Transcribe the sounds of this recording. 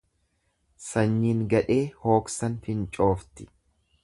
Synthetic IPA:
sɐɲːiŋɡɐᶑe̞ːho̞ːksɐnfɪnt͡ʃʼo̞ːft̪ɪ̥

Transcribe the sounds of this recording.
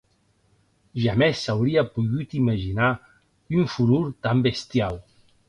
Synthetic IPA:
ʒamesːawɾiapuɣut̪iməʒina | yɱfuɾuɾt̪ambest̪jaw

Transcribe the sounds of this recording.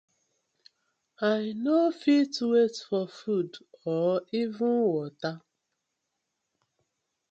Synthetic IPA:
ajnofitwetfɔfudɔivʊnwɔta

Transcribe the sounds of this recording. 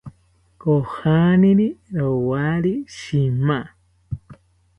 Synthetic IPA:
kohanĩɾiɾowaɾiʃimã

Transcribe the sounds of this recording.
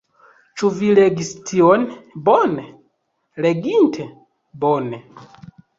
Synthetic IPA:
t͡ʃuvileɡistʰionbone | leɡintʰe | bone

